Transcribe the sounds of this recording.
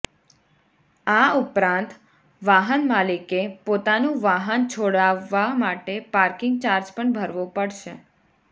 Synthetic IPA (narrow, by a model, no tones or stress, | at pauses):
aupɾãnt̪ | ʋaɦənmalikepot̪anũʋaɦənt͡ʃʰoɽaʋːamaʈepaɾkɪŋɡt͡ʃaɾd͡ʒpəɳbʱəɾʋõpəɽʃe